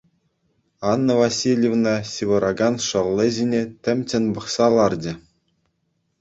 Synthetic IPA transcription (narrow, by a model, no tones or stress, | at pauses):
ɑnːɤ̆vasʲilʲjevnɑsʲiʋɤ̆ɾʔɑɡɑnʂɤ̆lʲˠːɤ̆ʑʲinʲetʲɘ̆mʲt͡ɕʲɘ̆nbɤ̆χsɑlˠɑrd͡ʑɘ̆